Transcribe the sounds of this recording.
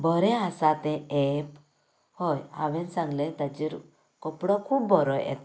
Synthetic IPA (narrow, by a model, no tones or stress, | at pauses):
bʱɔɾɛ̃asat̪ɛ̃ɛp | hɔja̰ʋɛ̃nsãŋɡlɛt̪at͡ɕiɾ | kɔpɽɔkʰuːpbʱɔɾɔɛ̰t̪